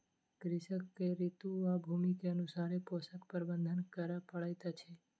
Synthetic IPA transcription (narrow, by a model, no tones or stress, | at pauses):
kɾɪʃəkːeɾit̪uabʱumikeənusaɾepɔsəkpəɾbənd̪ʱənkəɾapəɭajt̪at͡ʃʰe